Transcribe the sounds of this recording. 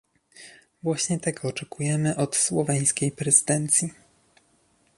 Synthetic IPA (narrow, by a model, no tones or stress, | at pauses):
vwaɕɲɛt̪ɛɡɔːt͡ʂɛkujɛmɘʔɔt̪swɔvɛj̃skʲejpɾɛzɘd̪ɛnt̪sʲji